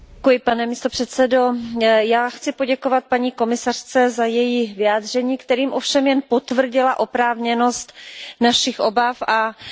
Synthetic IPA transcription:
kujɪpanɛmist̪o̞pr̝̥ɛt̪t͡sɛdo̞jaːxt͡sɪpo̞ɟɛkovat̪̚paɲiːko̞mɪsar̝̥t͡sɛzajɛjivɪaːd̪r̝ɛɲiːkt̪ɛɾiːmʔo̞fʃɛmjɛnpo̞t̪vr̩ɟɪlaʔo̞pɾaːvɲɛno̞st̪naʃɪxʔo̞bafa

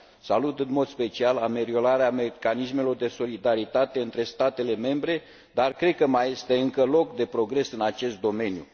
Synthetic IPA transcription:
salut̪ɨnmo̞d̪spe̞t͡ʃialame̞ɾio̞ɾaɾeamekanisme̞lo̞rd̪e̞so̞lid̪aɾit̪at̪e̞ɨnt̪ɾe̞st̪at̪e̞le̞me̞mbɾe̞ | d̪arkɾe̞d̪̚kəmaje̞st̪e̞ɨŋkəlo̞kd̪e̞pɾo̞ɡɾe̞sɨnat͡ʃe̞st̪̚d̪o̞me̞njṵ

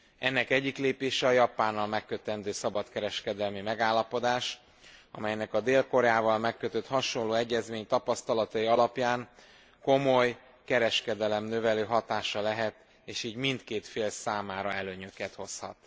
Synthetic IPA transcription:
ɛnːɛkɛɟːikleːpeːʃɛɒjɒpaːnːɒlmɛkːøt̪ɛnd̪øːsɒbɒt̪kɛɾɛʃkɛd̪ɛlmimɛɡaːlːɒpo̞d̪aːʃ | ɒ̰mɛjnɛkɒd̪eːlko̞ɾɛaːvɒlmɛkːøt̪øt̪hɒʃo̞loːɛɟːɛzmeːɲt̪ɒpɒst̪ɒlɒt̪ɒjiɒlɒpjaːŋ | ko̞mo̞j | kɛɾɛʃkɛd̪ɛlɛmnø̞vɛløːɦɒt̪aːʃɒlɛɦɛt̪ | eːʃiːɟmint̪keːt̪feːlsaːmaːɾɒɛløːɲø̞kɛt̪ho̞shɒ̰t̪

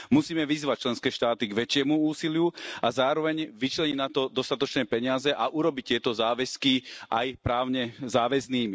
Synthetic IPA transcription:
musiːmɛʋizʋac̚t͡ʃlɛnskɛːʃt̪aːt̪iɡʋɛt͡ʃɪɛmuuːsilɪuazaːɾɔʋɛɲʋit͡ʃlɛɲinat̪ɔd̪ɔst̪at̪ɔt͡ʃnɛːpɛɲɪazɛʔaʔuɾɔbict̪ɪɛt̪ɔzaːʋɛskiʔajpɾaːʊɲɛzaːʋɛzniːmi

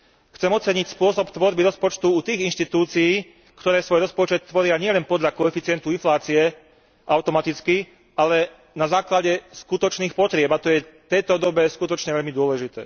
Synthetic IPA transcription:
xt͡sɛmɔt͡sɛɲicspʊɔsɔpt̪ʋɔɾbiɾɔspɔt͡ʃt̪uut̪iːɣinʃt̪it̪uːt͡sijiː | kt̪ɔɾɛːsʋɔjɾɔspɔt͡ʃɛt̪ːʋɔɾɪaɲɪɛlɛnpɔd̪ʎakɔɛfit͡sɪɛnt̪uinflaːt͡siɛ | ʔaʊt̪ɔmat̪it͡ski | alɛ | nazaːklaɟɛskut̪ɔt͡ʃniːxpɔt̪ɾɪɛbat̪ɔjɛt̪ɛjt̪ɔd̪ɔbɛskut̪ɔt͡ʃɲɛʋɛʎmid̪ʊɔlɛʒit̪ɛ̰ː

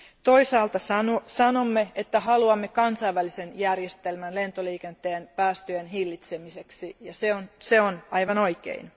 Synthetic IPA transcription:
t̪oisɑːlt̪ɑsɑnosɑnomːeet̪ːæɦɑluɑmːekɑnsɑiʋːælisenjærjest̪elmænle̞nt̪oliːkent̪eːnpæːst̪øjenɦilːit̪semiseksijɑseonseonɑjʋɑno̞ikḛin

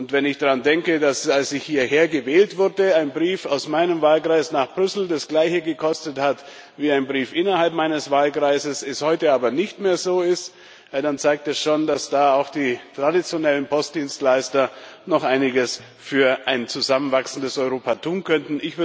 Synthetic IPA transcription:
ʊntv̥ɛnɪçd̥aʁandɛŋkədasalsɪçhiːɐheːɐɡəvɛːltv̥ʊɐdəaɪnbʁiːfaʊsmaɪnəmvaːlkʁ̥aɪsnaːχb̥ʁʏsl̩dasɡ̥laɪçəɡəkʰɔstəthat | viːaɪnbʁiːfʔɪnɐhalpmaɪnəsv̥aːlɡʁaɪzəsɛshɔʏtəaːbɐnɪçtmeːɐzoːɪstː | dant͡saɪk̚tɛsʃoːndasd̥aːaʊxd̥iːtʁ̥adit͡sjonɛlənpʰɔst̚d̥iːnstlaɪstɐnɔχʔaɪnɪɡəs | fyːɐʔaɪnt͡suzamənvaksn̩dəsɔʏʁoːpatʰuːnkʰœntn̩ɪçv̥ɪ

